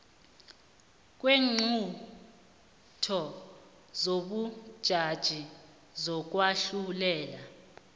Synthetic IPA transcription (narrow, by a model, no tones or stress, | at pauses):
k̬weːŋ͡ǀʱu | tʰɔ | zoɓud̥ʒ̥ʱad̥ʒ̥ʱi | zɔk̬waɬulɛːla